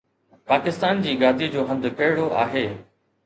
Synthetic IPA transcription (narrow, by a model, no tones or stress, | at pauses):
paːkɪst̪aːnd͡ʑiːɡaːd̪ʱid͡ʑoːɦɐ̃nd̪kɐɦɪɽoʔa̰ːɦeː